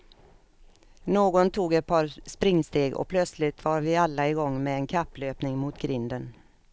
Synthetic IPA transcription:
noːɡɔnt̪ʰuːɡɛt̪̚pʰɑɾspɾɪŋːst̪eːɡɔ̰pʰlœt̪slɪt̪vɑːɾvɪalːaɪɡɔŋːmɛɛnkʰapːløːpnɪŋmʊt̪ɡɾɪnd̪ən

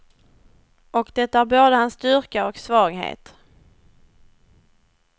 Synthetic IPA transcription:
ʔɔkd̪ɛt̪ːaæɾboːd̪əhansd̪ʏɾkaɔksvɑːɡɦḛːt̪

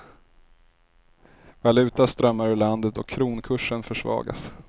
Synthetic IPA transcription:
valʉ̟ːt̪ast̪ɾœmːaɾɪland̪ət̪ɔkʰːɾuːnkʰɵʂːənfœʂvɑ̰ːɡa̰s

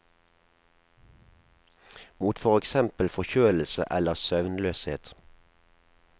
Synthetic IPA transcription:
muːt̪fɔʁɛksɛmpəlfɔçøːll̩sə̰ʔɛləʁsœʋnløːsheːt̪

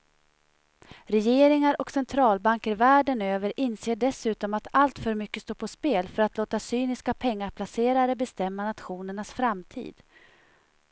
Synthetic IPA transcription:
ɾɛjeːɾɪŋaɾʔɔksɛnt̪ʰɾɑːlbaŋkəɾvæːɖənøːvəɾʔɪnseːɖɛsʉ̟ːt̪ɔmat̪alt̪fœɾmʏkːəst̪oːpʰɔspeːlfœɾat̪loːt̪asyːnɪskapʰɛŋːaɾpʰlaseːɾaɾəbɛst̪ɛmːanat̪ɧuːnəɳasfɾamt̪ʰḭːd̪̥

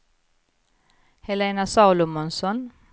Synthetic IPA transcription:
hɛleːnasɑlʊmɔnsɔn

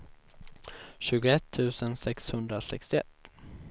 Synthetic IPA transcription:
ɕʉ̟ːɡʊɛt̪ʰːʉ̟ːsənsɛkshɵnd̪ɾasɛ̰kst̪ɪɛ̰t̪ː

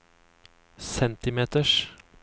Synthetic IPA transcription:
sɛnt̪ɪmeːt̪əʂ

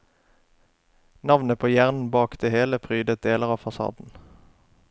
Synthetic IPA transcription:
nɑʋnəpʰoːjæːʁnn̩bɑːkd̪̥eːheːləpʰʁyːd̪ət̪̚d̪eːləʁɑːfɑsɑ̰ːd̪n̩

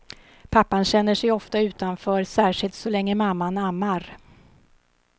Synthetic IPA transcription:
pʰapːanɕɛnːəʂɛjɔft̪aʉ̟ːt̪anfœːɾsæːʂɪlt̪sɔlɛŋːəmamːanamːaɾ

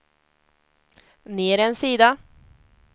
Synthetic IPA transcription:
neːɾɛnsiːd̪a

